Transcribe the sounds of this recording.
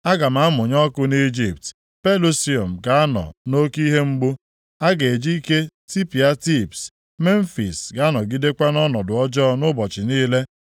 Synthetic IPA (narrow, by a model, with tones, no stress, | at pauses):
a˦ɡa˨m̩a˨˦mʊ˨ɲɔ˦kʊ˦ni˦d͡ʒi˨p̚t | pe˦lo˦si˦o˨m̩˨ɡa˨a˦nɔ̰˨no˦ki˦ɦe˦ŋ͡m̩˦ɡ͡bʊ˦ | a˦ɡe˨d͡ʒi˦ke˦ti˦pi˨a˦ti˦˨ps | me˦n̩˦fi˨sɡa˨a˦nɔ˨ɡi˦de˦kʷa˦nɔ˦nɔ˨dʊ˨ɔ˦d͡ʒɔ˦nʊ˦bɔ˨t͡ʃɪ˨niː˦le˦